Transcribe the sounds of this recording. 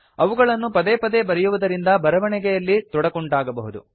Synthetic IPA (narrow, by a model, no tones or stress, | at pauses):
ɐʋuɡɐɭɐnːupɐd̪eːpɐd̪ebɐɾɛjuʋud̪ɐɾind̪ɐbɐɾɐʋɐɳɛɡɛjɐlːit̪ɔɽɐkɔɳɖaːɡɐbɐɦud̪ṵ